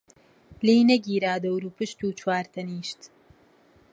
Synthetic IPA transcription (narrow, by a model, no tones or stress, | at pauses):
leːjnɐɡiːɾaːd̪ɐwɾuːpɨʃt̪uːt͡ʃʰwaːɾt̪ʰɐniːʃt̪